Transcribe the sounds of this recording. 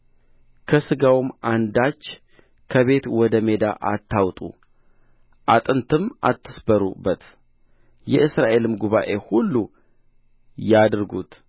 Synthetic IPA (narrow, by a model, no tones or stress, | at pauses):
kʰəsɨɡawmand̪at͡ʃː | kʰəβe̞t̪wɔd̪əme̞d̪a̰ʔa̰t̪ʰːawt̪ʼṵ | ʔat̪ʼɨnt̪ʰɨmʔa̰t̪ʰːɨsbəɾṵbːət̪ | jɛʔɨsɾaʔe̞lɨmɡuβa̰ʔe̞hulːu | jad̪ɾɡut̪